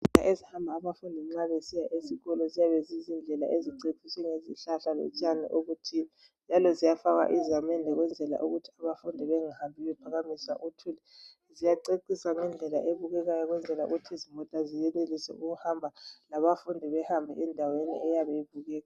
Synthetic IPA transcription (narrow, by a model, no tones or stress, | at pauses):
ita̰ʔezihambʱaːβafundʱiŋ͡ǁaβesijaʔesiɣɔlɔzijaβezizind͡ɮʱɛla̰ʔeziǀeiswɛŋezḭɬaɬalɛ̰t͡ʃʼanḭʔoɣutʰi | nd͡ʒʱalɔzijafaɣa̰ʔizamɛndʱɛɣwɛnd͡ɮʱɛla̰ʔuɣutʰi̥aβafundʱiβɛŋahambʱiβɛpʰaɣamisa̰ʔutʰulɛ | zijaǀeǀisaŋɛnd͡ɮʱɛla̰ʔeβuɣɛɣajɔɣwɛnd͡ɮʱɛlaṵɣutʰizimɔtʼazijɛnelisɛ̰ʔuɣuhambʱalaβafundʱiβɛhambʱɛ̰ʔɛndʱawenḭʔɛjaβɛjiβuɣɛːɣa